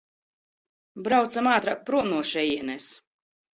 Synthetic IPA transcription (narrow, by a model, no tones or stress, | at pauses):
bɾawt̪samaːt̪ɾak̚pɾuɔnuɔʃɛjiɛnɛs